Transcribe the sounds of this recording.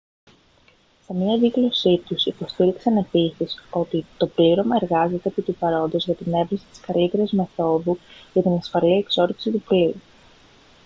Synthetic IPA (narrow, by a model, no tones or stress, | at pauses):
se̞mɲɐðiɣlo̞sit̪usipo̞st̪iɾiksɐne̞pisiso̞t̪it̪o̞pliɾo̞mɐe̞ɾɣɐze̞t̪e̞ːpit̪upɐɾo̞nd̪o̞zʝɐt̪ine̞vɾisi̥t̪i̥skɐlit̪e̞ɾizme̞θo̞ðuʝɐt̪inɐsfɐliekso̞ɾisit̪upliɾu